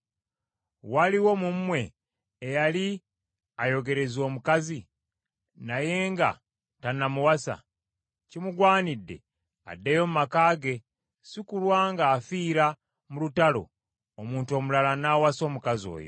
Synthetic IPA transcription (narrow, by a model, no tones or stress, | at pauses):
waliwo̞mumːwe̞ː | jali | ajo̞ɡe̞ɾe̞zoːmukazi | naje̞ːŋɡa̰ | tanamuwasa̰ | cimuɡwaːnidːe̞̰ | a̰dːejo̞mumakaːɡe̞ | sikulwaːŋɡaːfiːɾa | mulutalo̞̰ː | muːnto̞ːmulalanaːwaso̞ːmukazio̞̰ːjo̞̰